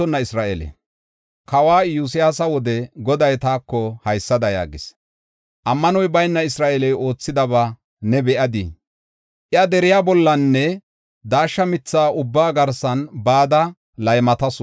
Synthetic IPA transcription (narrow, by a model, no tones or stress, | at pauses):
ɔnːɐɪsɾaːʔɛlɛ̰ | kɐwaːjʊs̬ɪjaːsɐwɔd̪ɛɡɔd̪ɐjt̪aːkːɔhɐjsːɐd̪ɐja̰ːɡɪ̰s | ʔɐmːɐnɔjbɐjnːɐɪsɾaːʔɛlɛjo̞ːt͡sːɪd̪ɐβaː | nɛbɛʔɐd̪ḭ | ʔɪɐd̪ɛɾɪjaːbɔlːɐnːɛ | d̪aːʃːɐmɪt͡sːaːʔʊbːaːɡɐɾsɐnbaːd̪ɐ | lɐjmɐt̪ɐs